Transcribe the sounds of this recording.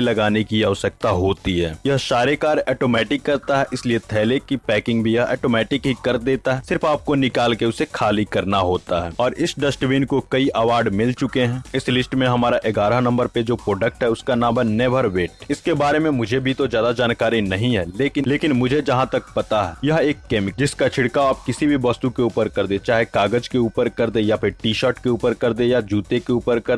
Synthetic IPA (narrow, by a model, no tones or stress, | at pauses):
lɐɡaːnekiaːsək̚t̪aɦoːt̪iɦɛːjɐɦʃaːɾekaːɾɛːʈoːmɛːʈɪkːɐɾt̪aɦɛʔɪsliet̪ʰɛːlekipɛːkɪ̃ŋɡbʱijɐɦɛ̰ːʈoːmɛːʈɪkɦikɐɾd̪eːt̪aɦɛsɪɾfaːp̚konɪkaːlkeʊsekʰaːlikɐɾnaɦoːt̪aɦɛːɔːɾʔɪsɖɐsʈʋiːnkokɐiʔɐʋaːɾɖmɪlt͡ʃʊkeɦɛ̃ːɪslɪsʈmẽɦɐmaːɾaʔɪɡaːɾanɐ̃mbəɾped͡ʒoːpɾoːɖək̚ʈɦɛʊskanãːbənɛːbʱəɾʋeːʈɛɪskebaːɾemẽmʊd͡ʒʱebʱit̪ozjaːd̪ad͡ʒaːnkaːɾinɐɦĩɦɛːleːkɪleːkɪnmʊd͡ʒʱed͡ʒɐɦãt̪ɐk̚pɐt̪aɦɛːjɐɦeːkːɛːmɪkd͡ʒɪskat͡ʃʰɪɽkaaːp̚kɪsibʱibɐst̪ukeuːpəɾkɐɾd̪ẽt͡ʃaːɦekaːɡəd͡ʒkeuːpəɾkɐɾd̪ejapʰɪɾʈiːʃəːɾʈkeuːpəɾkɐɾd̪ẽjad͡ʒuːt̪ekeuːpəɾkɐɾ